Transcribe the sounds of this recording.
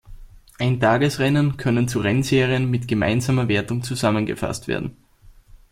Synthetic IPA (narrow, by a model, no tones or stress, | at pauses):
ʔaɪntʰaːɡəsʁɛnənkʰœnənt͡suʁɛnzeːʁiənmɪtɡ̥əma̰ɪnzaːmɐveːɐtʊŋt͡suzamənɡə̰fa̰stv̥ḛːɐdn̩